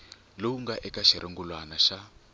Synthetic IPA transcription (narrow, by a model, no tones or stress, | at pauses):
lowuŋɡaʔɛkaʃiɾʔeŋɡulwanaʃa